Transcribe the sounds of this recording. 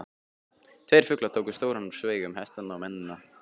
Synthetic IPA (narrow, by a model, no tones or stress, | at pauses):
t̪ʰvejɾ̥fʏklat̪ʰowkʏst̪owɾan̥svejɣʏmhɛst̪anːaɔmɛnːɪnːa